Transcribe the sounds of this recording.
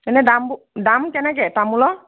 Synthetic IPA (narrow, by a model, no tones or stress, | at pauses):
ɛnɛdambu | damkɛnɛk̬ɛtamulɔ